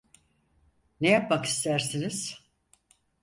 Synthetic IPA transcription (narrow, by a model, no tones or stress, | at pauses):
nejap̚maki̥st̪ʰæɾsiniz̥